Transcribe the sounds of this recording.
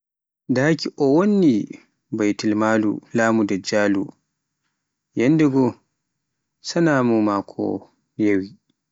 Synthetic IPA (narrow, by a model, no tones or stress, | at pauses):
daːkiʔɔwonːi | bajtilmaːlṵlaːmudad͡ʒaːlu | jɛnːdɛɡɔ | sanaːmɔmakʰɔ̰ | jewi